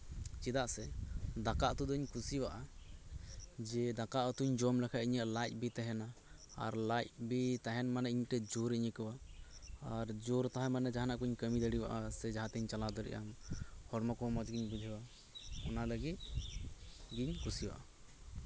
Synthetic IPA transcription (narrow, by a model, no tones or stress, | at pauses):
t͡ʃid̪aʔsɛd̪akaʔt̪ud̪ɔɲkʰusibaʔa | d͡ʒɛd̪akaʔɔt̪uɲd͡ʒɔmlɛkʰaʔiɲaʔlajt̪̚ˀbit̪ɛɦɛna | a̰ɾlajt̚bit̪aɦɛnmanɛʔiɲʈɛd͡ʒuɾiɲəkəwaː | ɾd͡ʒuɾt̪aɦɛmanɛd͡ʒaɦanaʔkuɲkəmid̪əɽiba̰ʔasɛd͡ʒaɦãt̪ɛɲt͡ʃalad̪ɔɾɛ̰ʔa̰mhɔɽmakɔmɔt͡ʃɡiɲbud͡ʒ̪ʱiwa | ɔnaləɡit̪̚ | ɡiɲkʰusiwa̰ʔa